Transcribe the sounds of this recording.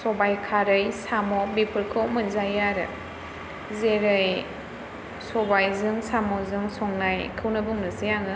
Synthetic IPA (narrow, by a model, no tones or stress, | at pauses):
sɔbajkʰaɾɯjsamɔbipʰɯɾkʰɔmɯnzajaɾɯ̰ | zeɾɯj | sɔbajzɯŋsamɔzɯŋsɔŋnajkʰɯwnɯbuŋnɯsijaŋɯ